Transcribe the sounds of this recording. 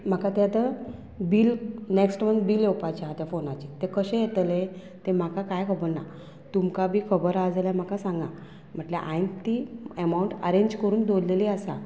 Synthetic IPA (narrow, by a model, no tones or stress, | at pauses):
m̤akat̪eat̪ə | biːlneksʈmənd̪biːlewpat͡ɕɦat̪jafonat͡ɕit̪ekəɕẽjet̪le | t̪em̤akakajkʰəbəɾna | t̪umkabʱiːkʰəbəɾad͡zlam̤akasãŋɡã | m̤əʈleʔã̰int̪iəmawuɳʈə̰ɾẽɲd͡ʑkəɾuːnd̪olleliəsa